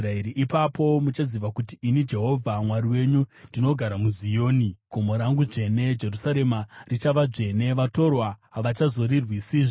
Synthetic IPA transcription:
raeɾiʔipapʰo̞mut͡ʃaziʋakutiːnid͡ʒe̞ɦo̞vʱamwaɾiwe̞ɲundino̞ɡʱaɾamuzijo̞ːniɡ̥ʱomoɾaŋɡuʐe̞ne̞d͡ʒe̞rusaɾe̞marit͡ʃaʋaʐe̞ne̞ʋato̞rwaɦaʋat͡ʃazo̞rirwisiːʐo

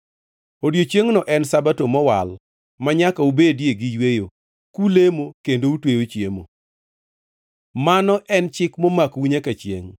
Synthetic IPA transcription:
odjot͡ʃjeŋnɔʔɛnsabatomɔwa̰l | maɲakaubedjeɡɪjwejo | kulemokendoutwejot͡ʃjemo̰ | manɔʔɛnt͡ʃɪkmomakwiɲakat͡ʃjḛŋ

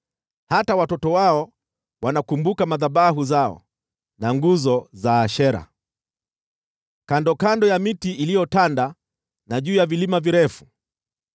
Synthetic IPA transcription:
hatawatɔtɔwaɔ | wanakumbukamaðaɓaɦuzaɔ̰ | naŋɡuzɔzaːʃɛɾa̰ | kandɔkandɔjamitiːlijɔtanda | naʄuːjavilimaviɾɛfu̥

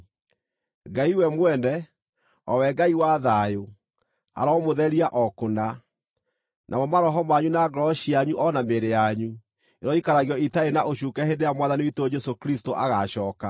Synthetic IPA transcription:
ɡaiwɛmwɛnɛ | ɔwɛɡaiwaðajo | a̰ɾamoðɛɾiaʔɔkona | nʔamɔmaɾɔɦɔmaɲunaɡɾɔɕiaɲuʔɔnameɾejaɲu | eɾɔikaɾaɣiɔitaenaʔoɕukɛhedejamwaðaniwitod͡ʒɛsokɾistoʔaɣaɕɔːka

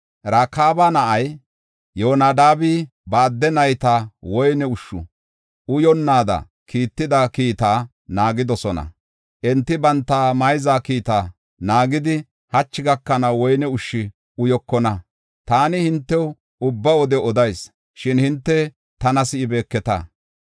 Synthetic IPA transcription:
ɾaːkːaːbaːnɐʔɐj | joːnaːd̪aːbi | baːd̪ːɛnɐjt̪aːwɔjnɛʊʃːʊ̰ | ʊjɔnːaːd̪ɐ̰ | kiːt̪ːɪd̪ɐkiːt̪aː | naːɡɪd̪ɔsɔnɐ̰ | ʔɛnt̪ːɪbɐnt̪ːaːmɐjzaːkiːt̪aː | naːɡɪd̪ɪ | hɐt͡ʃːɪɡɐkːɐnɐwɔjnɛʊʃːɪ | ʊjɔkːɔnɐ | t̪aːnɪhɪnt̪ːɛw | ʊbːɐwɔd̪ɛɔd̪ɐjs | ʃɪnhɪnt̪ːɛ | t̪ɐnɐsɪɪbe̞ːkːɛt̪a̰ː

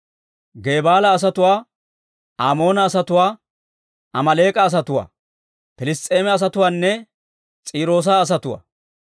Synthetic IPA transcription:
ɡeːbaːlɐːs̬ɐt̪ʊwaː | aːmo̞ːnɐːsɐt̪ʊwaː | ɐmɐle̞ːkʼɐːs̬ɐt̪ʊwa̰ː | pɪlɪst͡sʼːe̞ːmɛɐs̬ɐt̪ʊwaːnːɛ | t͡sʼiːɾo̞ːs̬aːs̬ɐt̪ʊwa̰ː

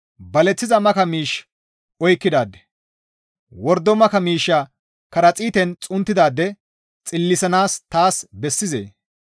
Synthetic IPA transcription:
bɐlɛt͡sːɪzɐmɐkɐmiːʃ | ɔjkːɪd̪aːd̪ɛ̥ | wɔɾd̪ːɔmɐkɐmiːʃːa | kɐɾɐt͡sʼiːt̪ɛnt͡sʼʊnt̪ːɪd̪aːd̪ːɛ | t͡sʼɪlːɪsɐnaːst̪aːsbɛsːɪzḛː

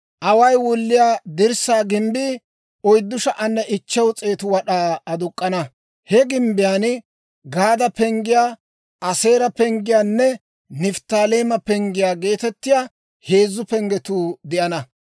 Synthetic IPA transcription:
ʔɐwɐjwʊlːɪjaːd̪ɪɾsaːɡɪmbɪ | ɔjd̪ːʊʃɐʔɐnːɛʔɪt͡ʃːɛwt͡sʼe̞ːt̪ʊwɐɗaːɐd̪ʊkʼːɐnɐ | hɛɡɪmbɪjaːn | ɡaːd̪ɐpɛŋɡɪjaː | ʔɐse̞ːɾɐpɛŋɡɪjaːnːɛ | nɪft̪aːle̞ːmɐpɛŋɡɪjaːɡe̞ːt̪ɛt̪ːɪjaː | he̞ːzːʊpɛŋɡɛt̪uːd̪ɪʔɐnɐ

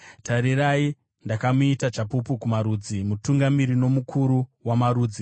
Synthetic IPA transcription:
tʰaɾirai | ndakamuitat͡ʃapupukumaɾuːd͡zimutuŋɡamiɾino̞mukʰuɾuwamaɾuːd͡zi

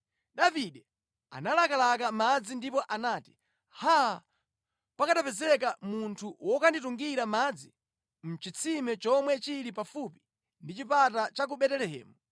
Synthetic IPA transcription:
ɗaviɗɛ | a̰nalakalakamad͡zindipɔʔanaːti̥ | ha | pakaɗapɛzɛk̬amuntʰuwɔkandituŋɡiɾamad͡zi | m̩t͡ʃit͡sʰimɛt͡ʃɔmwɛt͡ʃiɾipafupi̥ | ndit͡ʃipatat͡ʃak̬uɓɛtɛlɛɦɛ̰ːmu

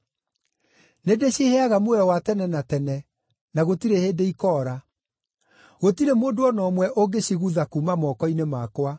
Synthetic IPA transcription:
nedeɕeheaɣamoɔwatɛnɛnatɛnɛ | naɣotiɾeheːdeikɔːɾa | ɣotiɾemoːndoɔnɔmwɛʔoɡeɕiɣuðakumamɔkɔinemakwa

